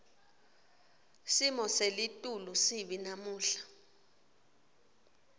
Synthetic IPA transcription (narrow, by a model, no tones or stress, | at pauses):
simɔselitʼulusiɓinamuːɬḁ